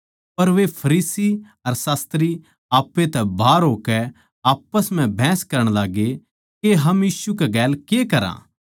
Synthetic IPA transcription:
pɐɾʋepʰɐɾiːsi | ɐɾsaːst̪ɾi | aːpːet̪ɛbʱaːɾɦoːkɛ | aːpːəsm̤ɛ̃bʱɛ̃ːskɐɾəɽ̃laːɡe | keɦɐmjiːsukaɡɛːlkekɐɾã̰ː

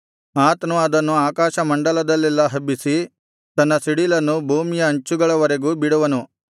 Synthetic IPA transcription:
aːt̪ɐnuɐd̪ɐnːuaːkaːʃɐmɐɳɖɐlɐd̪ɐlːilːɐɦɐbːisi | t̪ɐnːɐsiɽilɐnːubʱuːmijɐːɲt͡ʃuɡɐɭɐʋɐɾe̞ɡuːbiɽuʋɐnu

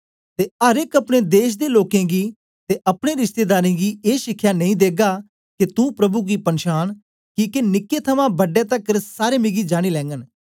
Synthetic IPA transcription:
t̪eːəɾekəpɽeːd̪eːʃ̬d̪eːloːkẽːɡiː | t̪eːʔəpɽeːɾɪʃt̪eːd̪aːɾĩːɡiːeːʃɪkʰːjaːnə̃ĩd̪eːɡaː | kɪt̪ũːpɾəbuːɡiːpənʃaːn | kiːkenɪkːeːt̪ʰəmãːbəɖeːt̪əkɾsaːɾeːmɪɡiːd͡ʒaːɽ̃iːlɛ̃ːŋɡən

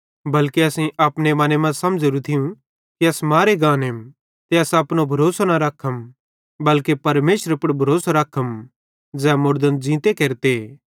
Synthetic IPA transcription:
bɐlkeɐsĩʔɐpnemɐnemɐ̃sɐmd͡ʒɾut̪ʰɪjũ | kiɐsmaːɾeɡãːnem | t̪eɐsɐpnobʱɐɾoːsanaɾɐkʰːəm | bɐlkepɐɾmeːʃəɾəpɐɽbʱɐɾoːsaɾɐkʰːəm | d͡zɛ̃ːmʊɾd̪ənd͡ʒĩːt̪ekeːɾt̪e

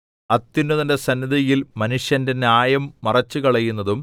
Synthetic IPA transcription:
ɐt̪ːinːuðɐnde̞sɐnːiðijilmɐnuʂjɐnde̞njaːjɐmːɐrɐt͡ɕːukɐɭɐjunːɐðum

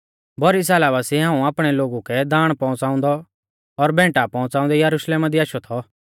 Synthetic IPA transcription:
bɔɾis̬ɐlaːβasiɦãːũaːpɽ̃ɛloːɡukɛd̪aːɽ̃pɔ̃ʊ̃t͡saːʊ̃nd̪ɔ | ɔɾbɛ̃ːʈapɔ̃ʊ̃t͡saːʊ̃nd̪ɛjɐɾuʃleːmad̪iaːʃɔt̪ʰɔ

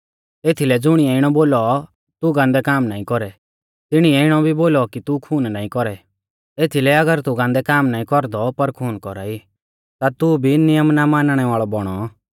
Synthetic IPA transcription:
eːt̪ʰilɛd͡zʊɽ̃iɛɪɽ̃ɔboːlɔ | t̪uɡãːnd̪ɛkaːmnaːĩkɔɾɛ | t̪ɪɽ̃iɛɪɽ̃ɔbʱiboːlɔkit̪ukʰuːnnaːĩkɔɾɛ | eːt̪ʰilɛɐɡəɾt̪uɡãnd̪ɛkaːmnaːĩkɔɾd̪ɔpɐɾkʰuːnkɔɾa̰ːi | t̪at̪ubʱinɪjəmnamaːnɽ̃ɛʋaːɭɔbɔɽ̃ɔ

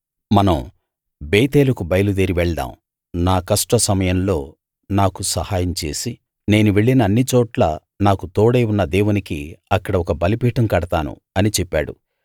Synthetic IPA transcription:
mɐnɐm | beːt̪eːlukubɐjɐlud̪eːɾiʋɛɭɖ̪a̰ːm | naːkɐʂʈɐsɐmɐjɐmlo̞ː | naːkusɐhaːjɐmt͡ʃe̞̰ːsi | ne̞ːnuʋeɭːinɐːnːit͡ʃɔːʈla̰ | naːkut̪oːɽejunːɐd̪eːwunikiɐkːɐɽɐɔkɐbɐlipiːʈɐmkɐɽɐt̪aːnṵ | ɐnit͡ʃɛpːa̰ːɽṵ

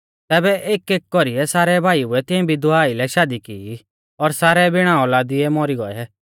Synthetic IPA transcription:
t̪ɛːbɛʔeːkeːk̚kɔɾiɛsaːɾɛbʱaːiuɛt̪ɪ̃ɛ̃bʱid̪ʊaːilɛʃaːd̪ikii | ɔɾsaːɾɛbɪɽ̃ãːɔlaːd̪iɛmɔɾiɡɔɛ

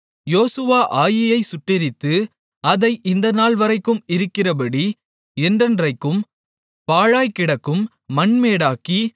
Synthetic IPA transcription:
joːsɯʋaːʔaːjɪjɐɪsʊʈːɪɾɪt̪ːɯ | ɐðɐɪʔɪnd̪ɐnaːɭʋɐɾɐɪkːɯmɪɾɯkːɪrɐp̬ɐɽi | ɛndrɛndrɐɪkːɯm | paːɻaːjkɪɽɐkːɯmː | ɐɳmeːɽaːki

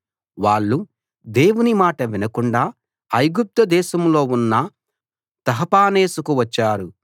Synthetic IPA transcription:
ʋaːɭːu | d̪e̞ːwunimaːʈɐʋinɐkuɳɖaː | ɐjɡup̚t̪ɐd̪ɛːʃɐmlo̞ːunːɐ | t̪ɐɦɐpaːneːsukuʋɐt͡ʃːaːɾu

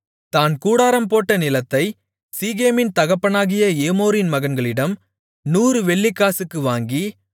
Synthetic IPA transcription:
t̪aːnkuːɽaːɾɐmpoːʈːɐnɪlɐt̪ːɐɪ | siːɣeːmɪnt̪ɐɣɐpːɐnaːɣɪjɐeːmoːɾɪnmɐɣɐnɡɐɭɪɽɐm | nuːɾɯʋɛɭːɪkːaːsɯkːɯʋaːŋɡi

